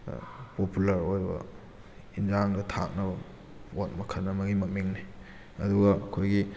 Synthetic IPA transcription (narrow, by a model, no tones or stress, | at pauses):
populɐɾojbɐ̰ | ind͡ʒaŋdɐtʰa̰k̚nɐbɐ | wot̚mɐkʰɐnːɐmɐɡimɐmiŋni | ɐduɡɐɐkʰojɡi